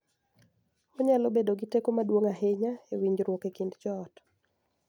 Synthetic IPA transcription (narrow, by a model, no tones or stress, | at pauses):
oɲalobedoɡitekomadwoŋaɦeɲaewiɲd͡ʒɾwokekindd͡ʒɔːt